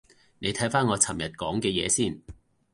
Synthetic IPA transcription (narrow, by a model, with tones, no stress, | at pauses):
ne˨˧jt̪ʰɐ˨˥jfaː˥nŋɔː˨˧t͡sʰɐ˨˩mjɐ˨˩t̚kɔː˨˥ŋkɛː˧jɛ̰ː˨˧siː˥˩n